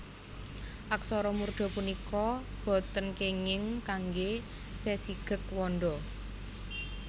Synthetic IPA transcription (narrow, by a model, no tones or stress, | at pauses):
ʔaksɔɾɔmurd̪̥ɔ̤punikɔb̥ɔ̤t̪ənkeŋɪŋkaŋɡe | sesiɡ̥ə̤k̚wɔnɖɔ